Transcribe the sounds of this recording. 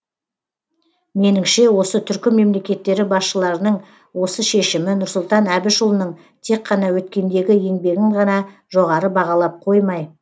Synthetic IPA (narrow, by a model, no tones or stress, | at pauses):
me̞nɪŋʃe̞wo̞sət̪ʰʏɾkʲɪme̞mle̞kʲe̞t̪ːe̞ɾɪbɑsʃəlˠɑɾənəɴ | wo̞səʃe̞ʃɪmɪnʊɾsʊlˠt̪ɑnæbɪʃʊlˠənəɴ | t̪ʰe̞kqqʰːɑn̪ɑwɵt̪kʲe̞nd̪e̞ɡʲɪje̞ŋbe̞ɡʲɪŋʁɑnɑʒo̞ʁɑɾəbɑʁɑlˠɑp̚qʰo̞jmɑj